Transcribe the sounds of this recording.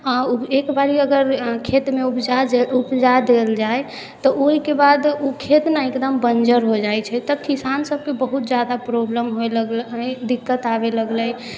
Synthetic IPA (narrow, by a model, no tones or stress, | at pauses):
auekbaɾiəɡəɾkʰet̪meupd͡ʒaupd͡ʒad̪eld͡ʒae | t̪ɔʔoɦikebad̪ukʰet̪naekd̪əmbənd͡ʒəɾɦod͡ʒajt͡ʃʰɛt̪əbkisansəb̚ʱkebəɦut̪̚d͡ʒad̪apɾobləmɦoeləɡlɦəd̪ikːət̪abeləɡləj